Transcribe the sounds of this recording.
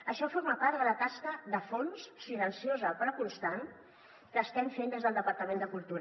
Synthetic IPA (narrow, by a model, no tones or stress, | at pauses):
əʃɔfoɾmapaɾt̪d̪ələt̪askəðəfonssilənsiozəpɾəkunst̪an | kəːst̪ɛmfend̪ezðəlˠd̪əpəɾt̪əmẽnd̪əkulˠt̪u